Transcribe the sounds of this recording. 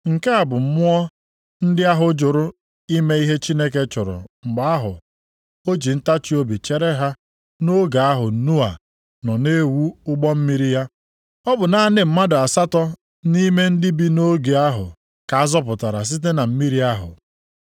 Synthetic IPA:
ŋ̩˨ke˦a˨bʊ˨m̩˦mʊ˦ɔ˦ | n̩˦dɪ˦a˦ɦʊ˦d͡ʒʊ˨ɾʊ˦ | i˦me˦i˦ɦe˦t͡ʃi˦ne˦k̬e˦t͡ʃʊ˨ɾʊ̰˨ŋ͡m̩˨ɡ͡ba˨a˦ɦʊ̰˨ | o˦d͡ʒi˨n̩˦ta˦t͡ʃi˦o˦bi˨t͡ʃe˦ɾe˦ɦa˦ | no˦ɡa˨a˦ɦʊ˨n̩˦nu˦a˨ | nɔ˨ne˦wu˦ʊ˦ɡ͡bɔ˦m̩˦mi˦ɾi˦ja˦ | ɔ˦bʊ˨na˨a˦nɪ˨m̩˦ma˦dʊ˨a˨sa˦tɔ˦ | ni˦me˦n̩˦dɪ˦bi˦no˦ɡe˨a˦ɦʊ̰˨ | ka˨a˦zɔ˦pʊ˨ta˨ɾa̰˨s̬i˦t̬e˦na˨m̩˦mi˦ɾi˦a˦ɦʊ̰˨

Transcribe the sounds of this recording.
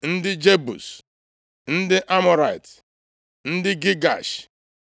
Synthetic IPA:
n̩˦dɪ˦d͡ʒe˦bṵ˨s | n̩˦dɪ˦ʔa˦mɔ˨ɾa˨i˨t | n̩˦dɪ˦ɡi˦ɡa̰˨ʃ

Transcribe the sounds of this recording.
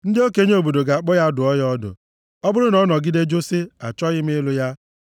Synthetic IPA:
n̩˦dɪ˦o˦ke˦ɲe˦o˨bo˨do˨ɡa˨a˨k͡pɔ˦ja˦dʊ˨ɔ˦jɔ˦dʊ̰˨ | ɔ˦bʊ˦ɾʊ˦nɔ˦nɔ˨ɡɪ˦de˦d͡ʒo˦sɪ˦a̰˨t͡ʃɔ˦ɣɪ˦m̩˦lʊ˦ja˦

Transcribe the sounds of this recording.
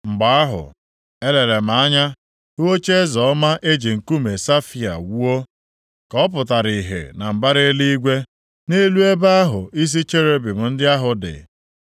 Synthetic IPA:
ŋ͡m̩˨ɡ͡ba˨a˦ɦʊ̰˨ | e˦le˨le˨m̩˨a˦ɲa˦ | u˦o˦t͡ʃe˦e˦zɔ˨ɔ˦ma˦ʔe˦d͡ʒe˨ŋ̩˨ku˦me˨sa˦fi˨a̰˨wu˦o˦ | kɔ˨˦p̬ʊ˨t̬a˨ɾi˨ɦḛ˨na˨m̩˨ba˦ɾe˦li˦i˦ɡʷe˦ | ne˦lu˦e˦ba˦a˦ɦʊ˨i˦s̬i˦t͡ʃe˦ɾe˦bi˨m̩˨n̩˦dɪ˦a˦ɦʊ˨dɪ̰˨

